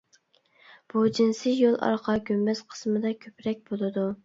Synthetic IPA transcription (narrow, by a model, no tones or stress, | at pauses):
b̥ud͡ʒinsɪjolˠɑ̰ɾqʰɑɡʲymbɛsqʰə̥smɨd̪ɑkʲʰøpʰɾɛk̚ʲbolˠɨd̪u